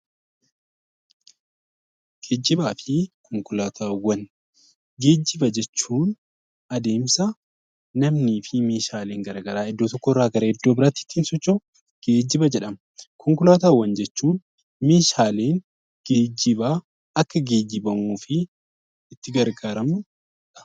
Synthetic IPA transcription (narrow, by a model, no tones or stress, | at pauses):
ɡ̥e̞ːd͡ʒːɪbaːfɪkʰɔŋkʊlaːt̪ʰaːwːɐn | ɡe̞ːd͡ʒːɪbɐd͡ʒɛt͡ʃːuːn | ɐd̪e̞ːmsɐ | nɐmniːfɪmeːʃaːle̞ːŋɡɐɾɐɡɐɾaːɛd̪ːoːt̪ɔkːɔrːaːɡɐɾɐɛd̪ːoːbɪɾat̪ːɪ̥t̪ːiːnsɔt͡ʃːo | ɡ̥e̞ːd͡ʒːɪbɐd͡ʒɛᶑɐmɐkʰɔŋkʊlaːt̪aːwːɐnd͡ʒɛt͡ʃːuːn | meːʃaːle̞ːn | ɡ̥eːd͡ʒːɪba | ɐkːɐɡe̞ːd͡ʒːɪbɐmuːfɪː | t̪ːɪɡɐɾɡaːɾɐmʊ | ᶑɐ̥